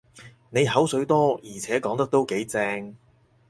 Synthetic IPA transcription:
ne˨˧jɦɐ˨˥wsɵ˨˥ɥt̪ɔː˥jiː˨˩t͡sʰɛː˨˥kɔː˨˥ŋt̪ɐ˥k̚t̪o˥wke˨˥jt͡sɛː˧ŋ

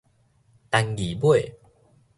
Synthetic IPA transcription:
t̪a˧ŋɡi˨˩bwe˥˨

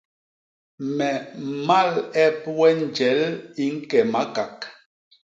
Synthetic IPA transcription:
mɛ˨ma˦˨lɛ˦pwɛ˦n˨d͡ʒɛ˨˦li˦ŋ̩˦kɛ˨ma˨˦ka˨k

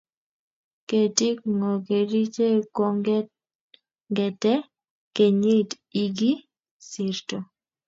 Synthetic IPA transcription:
ke˨ti˦kŋɔ˨ke˨ɾi˦t͡ʃe˦ko˦ŋ | ŋɡɛ˨tɛ˦ | ke˨ɲe˦t | i˨ɡi˦ | sɪ˨ɾto˨

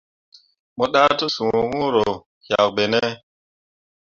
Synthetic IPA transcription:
mɔ˦ɗa˦to˦sũ˨ŋũ˦ɾo˨ | ha˨k̚be˨ne˦

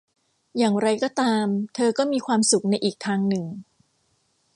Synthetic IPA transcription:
jaː˨˩ŋɾa˧jkɔː˥˩t̪aː˧mt̪ʰɤː˧kɔː˥˩miː˧kʰwaː˧msu˨˩˦k̚na˧jʔiː˨˩k̚t̪ʰaː˧ŋnɯ˨˩ŋ

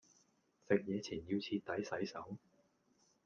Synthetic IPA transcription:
sɪ˨k̚jɛː˨˧t͡sʰiː˨˩njiː˧wt͡sʰiː˧t̪ɐ˨˥jsɐ˨˥jsɐ˨˥w

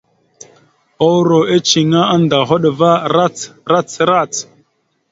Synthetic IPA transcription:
o˦wɾo˨ʔe˦t͡ʃi˨ŋa˦a˦nda˨ɦo˦ɗva˦ɾa˦t͡sɾa˦t͡sɾa˦˨t͡s

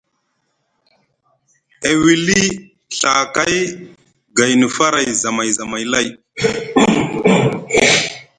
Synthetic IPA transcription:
e˨wi˨li˦ | ɬa˨ka˦j | ɡa˨jni˨fa˦ɾa˨jza˨ma˨jza˨ma˨jla˦˨j

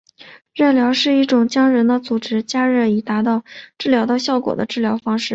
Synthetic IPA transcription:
ɻə˥˩ljɑ˧˥ʊʂɻ̩˥˧i˥˩ʈ͡ʂʊ˨˩ŋt͡ɕjɑ˥ŋɻə˧˥nd̪ə˧t͡su˨˩ʈ͡ʂɻ̩˥t͡ɕja˥ɻə˥˩i˨˩t̪a˧˥t̪ɑ˥˧ʊʈ͡ʂɻ̩˥˩ljɑ˧˥ʊt̪ɑ˥˧ʊɕjɑ˥˩ʊkwɔ̰˨˩d̪ə̰˦ʈ͡ʂɻ̩˥˩ljɑ˧˥ʊfɑ˥ŋʂɻ̩˥˩

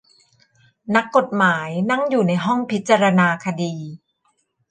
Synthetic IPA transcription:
na˦˥kːo˨˩t̪̚maː˩˦jna˧˥˩ŋjuː˨˩na˧jɦɔ˥˩ŋpʰi˦˥t̪̚ːt͡ɕa˧ɾa˧naː˧kʰa˧diː˧

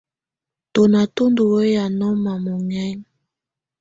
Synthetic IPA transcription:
to˨na˨to˦ndu˨wo˦ja˨nɔ˦ma˨mo˨ŋɛ˦n˨˦

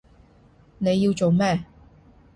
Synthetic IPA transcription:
ne˨˧jiː˧wt͡so˨wmɛː˥˨

